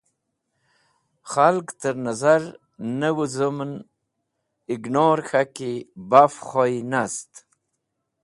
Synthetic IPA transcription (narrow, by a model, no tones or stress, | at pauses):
xalkt̪əɾnazaɾ | nəwuzəmn | ɪɡnoːɾxakibafχojinast̪